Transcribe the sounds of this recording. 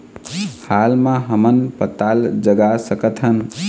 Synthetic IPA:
halmãɦəmənpət̪ald͡ʒəɡasəkət̪ɦən

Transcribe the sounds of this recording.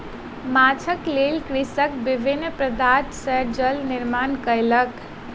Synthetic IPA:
mat͡ʃʰəklelkɾisəkbibʱinːpɾəd̪at̪səɾd͡ʒəlnɪɾmankələk

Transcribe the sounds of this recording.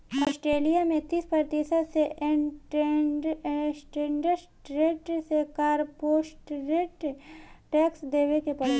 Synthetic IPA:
ɔːsʈɾeːlijamẽt̪iːspɾəɾt̪isəd̪seʔʈ | sʈeɳɖəsʈɾeːʈsekaːɾpoːsʈɾeːʈʈɛːksd̪eːʋekepɔl

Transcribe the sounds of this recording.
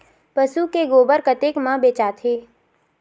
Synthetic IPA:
pəsukeɡoːbəɾkət̪ekmãbeːt͡ʃaːt̪ʰeː

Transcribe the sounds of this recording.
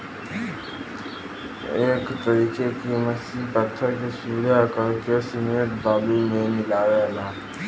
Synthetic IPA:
eːkt̪əɾiːkekiməsipət̪ʰːəɾkesuʋɪd̪ʱakəɾkesɪmeːt̪baːbimẽmɪlaːwelaː

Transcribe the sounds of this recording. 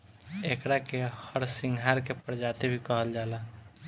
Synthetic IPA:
ekɾakehəɾsiŋɡʱɦaɾkepəɾd͡ʒat̪ebʱikəɦəld͡ʒala

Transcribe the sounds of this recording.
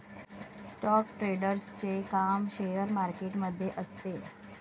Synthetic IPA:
sʈɔkʈɾeɽəɾst͡ɕekamɕejəɾmaɾkeʈməd̪ʱːjeʔəst̪e

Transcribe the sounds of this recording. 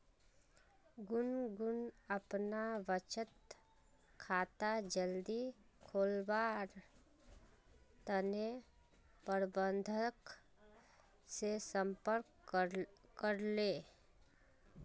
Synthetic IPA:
ɡʊnɡʊnəpnaʋət͡ʃət̪ | kʰaːt̪ad͡ʒəld̪i | kʰoːlbaːɾ | t̪əne | pəɾbə̃nd̪ʱək | sesə̃mpəɾk | kəɾleː

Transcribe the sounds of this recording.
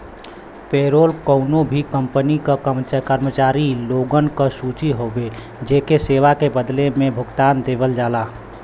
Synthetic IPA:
peɾoːlkəʊnobʱikəmpənikəkkəɾmət͡ʃaːɾiloɡənkəsut͡ʃiɦobe | d͡ʒekeseʋakebəd̪lemẽbʱʊɡt̪aːnd̪ebəld͡ʒala

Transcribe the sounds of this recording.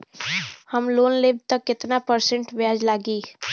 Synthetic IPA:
həmloːnlebt̪əkːɪt̪napəɾsə̃ɳʈʋjaːd͡ʒlaːɡiː

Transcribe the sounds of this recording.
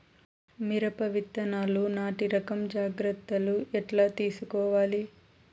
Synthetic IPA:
miɾɐpɐʋit̪ːɐnaːlunaːʈiɾɐkɐmd͡ʒaːɡɾɐt̪ːɐluʔɛʈlaːt̪iːsukɔːʋaːli

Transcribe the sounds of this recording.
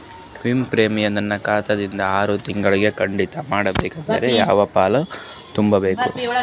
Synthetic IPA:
ʋimpɾeːmijɐnɐnːɐkaːt̪ɐd̪ind̪ɐaːɾut̪iŋɡɐɭiɡe̞kɐɳɖit̪ɐmaːɽɐbeːkɐnt̪ɐ̰ɾejaːʋɐpaːlɐ | t̪umbɐbe̞ːku

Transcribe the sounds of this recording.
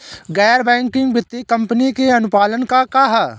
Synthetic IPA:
ɡɛːɾbɛ̃ːŋkɪ̃ŋɡbɪt̪ːikɐ̃mpənikeɐnʊpaːlənkakaɦa

